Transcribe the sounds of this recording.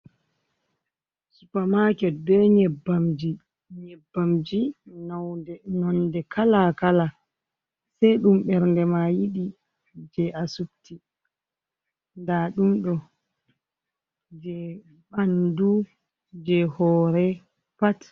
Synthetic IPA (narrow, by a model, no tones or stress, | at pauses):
supamakɛdɔɲɛbːamd͡ʒi | ɲɛbːamd͡ʒinawɛnɔndɛkʰalakala | sajɗumɓɛɾndɛmajiɗi | d͡ʒɛʔasub̚tʰi | ndaɗumɗɔ | d͡ʒɛ | ɓandu | d͡ʒɛhɔːɾɛ | pat